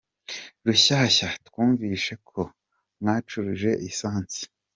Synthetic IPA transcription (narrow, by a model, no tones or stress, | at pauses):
ɾuɕaːɕatkwuːɱviːʃe̞kʰo̞ | mŋaːt͡ʃuɾiʒe̞ʔisaːnt͡si̥